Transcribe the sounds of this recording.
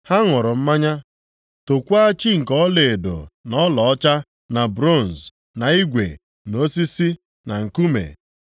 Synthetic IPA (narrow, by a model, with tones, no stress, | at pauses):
ha˦ŋʊ˨ɾʊ˨m̩˦ma˦ɲa˦ | to˨kʷa˦t͡ʃi˦ŋ̩˨kɔ˦le˨e˨do̰˨nɔ˦lɔ˨ɔ˦t͡ʃa˦ | na˨bɾo˦˨n̩˨s | na˨i˦ɡʷḛ˨ | no˦si˦si˦ | na˨ŋ̩˨ku˦mḛ˨